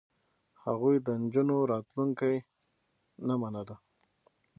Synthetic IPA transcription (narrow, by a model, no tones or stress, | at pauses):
haɣujd̪ənd͡ʒunoɾɑt̪luŋkaj | namanala